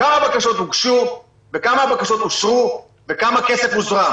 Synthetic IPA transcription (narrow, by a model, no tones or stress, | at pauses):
kamabakaʃo̞t̪uɡʃu | vekamaːbakaʃo̞t̪oʃʁu | ve̞kamake̞se̞fmuzʁa